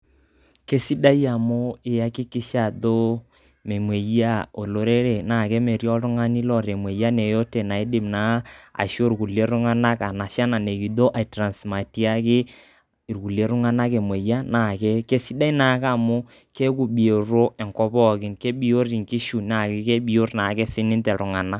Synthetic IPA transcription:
ke˦si˦da˦ja˨mʊ˦ɪ˨ja˦kɪ˦kɪ˦ʃa˨do˦ | me˨mwe˨ja˦˨o˨lo˨ɾe˦ɾe˨na˨ke˦me˨ɾjɔ˦tʊ˦ŋa˦ni˦lɔ˦˨ɾe˨mwe˨ja˦ne˨jo˦te˨na˨i˦dɪ˨mna˨˦a̰˨ʃo˦ɾku˨le˦ɾʊ˦ŋa˦na˦ka˨na˨ʃa˦na˨ne˨ki˨ðo˦ʔa˨i˨tɾa˨nsma˨ti˦a˦kɪ˦ | ɪ˨ɾku˨le˦ɾʊ˦ŋa˦na˦ke˨mwe˨ja˦na˨kɛ˦ke˦si˦da˦i˦na˨˦ka˨mʊ˦ | ke˦ku˨bi˨o˨ɾo˦ʔɛ˨ŋkɔ˦pɔ˦kɪ˨˦nke˦bi˨o˦ri˨ŋkɪ˦ʃu˨na˨kɪ˦ke˦bi˨o˦rna˨kɛ˦sɪ˦nɪ˦ntɛ˨ɾʊ˨ŋa˨na˦

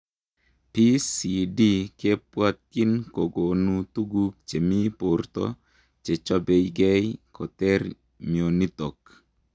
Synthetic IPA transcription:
pi˦si˨di˦ke˦pwa˦t̪̚ki˦nko˨ɡo˨nu˨t̪u˦ɡu˦k̚t͡ʃe˨mi˦po˨rt̪ɔ̰˦ | t͡ʃe˨t͡ʃa˦be˨jɡɛ˦jkʰɔ˨t̪ɛ˦ɾ | mio˨ni˦t̪o˨k

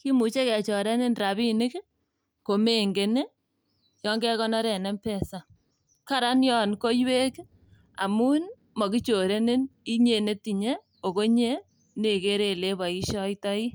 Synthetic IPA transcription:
ki˦mu˨t͡ʃe˦kɛ˨t͡ʃo˨ɾe˦nɪ˦nra˨bi˦nɪ˦k | ko˨me˦ŋɡe˨ne˦ | jɔ˦ŋɡɛ˦kɔ˦nɔ˦ɾɛ˨nɛ˦mpɛ˦sa˨ | ka˦ɾa˦njɔ˦nko˦jwe˦k | a̰˨mu˦n | mɔ˨ki˦t͡ʃo˨ɾe˦nɪ˦ni˦ɲe˨ne˦ti˨ɲe˦ | o˨ko˦ɲe˦ | ne˨ke˦ɾe˦˨le˦ba˨i˦ʃɔ˦itɔ˦i˦

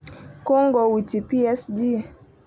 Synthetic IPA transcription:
kɔ˦ŋɡɔ˨wu˨ti˨pi˦ɛ˦sdi˦

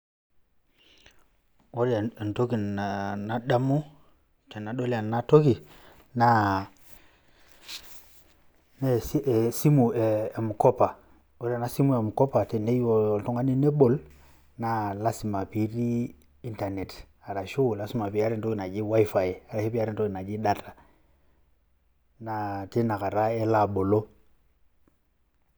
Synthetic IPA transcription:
wo˦ɾe˨nto˦ki˨na˨na˦ɗa˦mu˦ | te˨na˨ɗo˦li˨a˨na˦to˦ki˨ | na˦ | ne˦ssi˦mu˨eː˨mu˨kɔ˦pa˨ | o˦ɾa˨na˦si˦mu˦e˨mu˨kɔ˦pa˨te˨ne˦jo˨o˨ltu˦ŋa˦ni˦ne˦bo˨l | na˨la˦si˨ma˨pi˨ɾi˦ | i˦nta˨ne˨t | a˨ɾa˨ʃu˦˨la˦si˦ma˨pi˨a˦ɾe˦to˦ki˨na˨d͡ʒi˦wa˦fa˨ja˨ɾa˨ʃe˦pi˦a˦ɾi˦nto˦ki˨na˨d͡ʒi˦da˦ta˨ | na˨te˦na˨ka˨ɾa˦e˦la˨ɓo˨lo˦

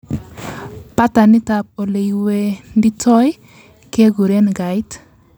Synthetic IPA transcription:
pa˦ta˨ni˦ta˨p̚o˨le˨jwe˨ndi˦tʰɔ˦j | ke˦ɡu˨ɾe˦nɡa˨jt

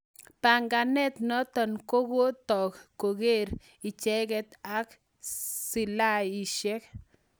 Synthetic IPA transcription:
pa˨ŋɡa˨nɛ˦t̪nɔ˦t̪ɔ˨nko˦ɡo˦t̪ɔ˨kko˨ɡe˦˨ɾ | i˨t͡ʃɛ˦ɡɛ˦t̪a˦k | si˨la˦i˨ʃɛ˦k̚

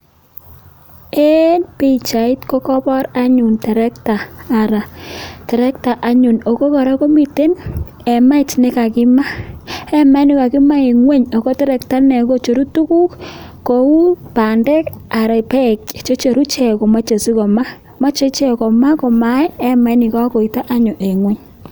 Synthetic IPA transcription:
e˦npe˦i˨t͡ʃa˨i˦tko˦kɔ˦pɔ˦ɾa˦ɲu˨ntɛ˨ɾɛ˦ktaː˨ɾa˨tɛ˨ɾɛ˦kta˨ʔa˦ɲu˨no˨ko˦ka˨ɾa˦ko˦mi˨te˦n | ɛ˨ma˦ɪ˨tnɪ˦ka˨kɪ˦ma˦ɛ˦ma˦nɪ˦ka˨ki˦ma˦i˨ŋwe˦ɲo˨ko˦tɛ˦ɾɛ˨kta˦nɛ˨ko˦t͡ʃo˨ɾu˦tu˦ku˦kko˨˦u˦pa˨ndɛ˦ka˨ɾa˨pɛ˦kt͡ʃo˦t͡ʃo˨ɾu˦t͡ʃɛ˦˨ko˨ma˦t͡ʃe˨si˦kɔ˨ma˦ | ma˦t͡ʃe˦t͡ʃɛ˦kɔ˨ma˦ko˨ma˦jɛ˦ma˨jni˨ka˦ko˨i˨ta˦ʔa˦ɲʊ˨ʔe˨ŋwe˦ɲ

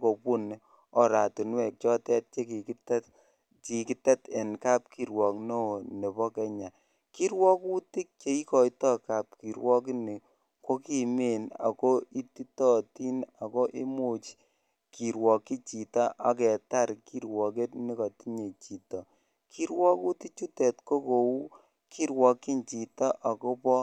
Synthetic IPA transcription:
ko˨pu˦n | ɔ˨ɾa˨tu˨nwɛ˨k̚t͡ʃɔ˦tɛ˦t̚t͡ʃe˦ki˨ktt | ki˨ki˦tɛ˦tɛ˨nka˦p̚ki˨ɾwɔ˨kno˦˨ne˨bɔ˦kɛ˦ɲa˨ | ki˦ɾwɔ˦ku˦ti˦k̚t͡ʃe˨˦i˦kɔ˨i˦tɔ˦ka˨p̚ki˨ɾwɔ˦k̬ɪ˦ni˨ | ko˦ki˨me˦˨na̰˨ko˦i˦ti˦tɔ˦ti˦na˨ko˦ʔi˦mo˦t͡ʃ | ki˨ɾwɔ˨kːi˦t͡ʃi˨ta˦ʔa˦kɛ˨ta˦ɾki˦ɾwɔ˨ke˦tni˦kɔ˨ti˦ɲe˨t͡ʃi˨tɔ˨ | ki˦ɾwɔ˦ku˦ti˦t͡ʃu˦tɛ˨tko˦ko˨u˦ | kʰi˦ɾwɔ˨ki˦nt͡ʃi˨ta˦ʔa˨ko˦pɔ˦

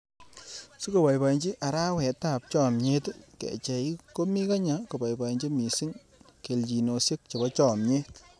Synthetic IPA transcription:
su˦ko˨pa˨jpa˨nt͡ʃi˦ʔa˨ɾa˦wɛ˨ta˦˨p̚t͡ʃɔ˦˨mɲe˦tkḛ˨t͡ʃɛ˨i˦ko˦mi˦ka˦ɲa˨ko˨ba˨jpa˨i˨ɲt͡ʃi˦mi˨sɪ˦ŋ | ke˨lt͡ʃi˨no˨sje˦k̚t͡ʃe˨bɔ˦t͡ʃɔ˦mɲe˦t

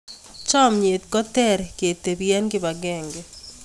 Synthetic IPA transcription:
t͡ʃɔ˦mɲe˨t̪̚kɔ˦t̪ɛ˦ɾke˨t̪e˨bjɛ˦nɡɪ˦ba˨ɡɛ˦ŋɡɛ

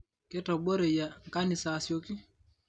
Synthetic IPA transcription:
kɛ˦ta˨bɔ˦ɾɛ˨ja˨ŋ˨ka˦ni˨sasi˨o˦ki˦

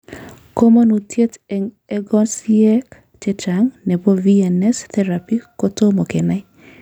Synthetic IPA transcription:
ko˦mo˦nu˨tʰje˦tɛ˨ŋ | ɛ˦ɡɔ˦nsi˦ɛ˦k | t͡ʃe˦t͡ʃa˨ŋnɛ˨bo˦vi˦ɛ˨nɛst̪ɛ˦ɾapi˦ko˦to˦mo˨kɛ˨na˦

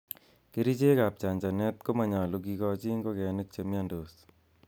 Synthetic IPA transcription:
ke˦ɾi˦t͡ʃe˦ka˨p̚t͡ʃa˨nd͡ʒa˨nɛ˦t̪̚ko˦ma˨ɲa˨lu˧k̬i˧kɔ˧t͡ʃi˦ŋɡo˦kɛ˨nɪ˦k̚t͡ʃe˨mja˦ndo˨s

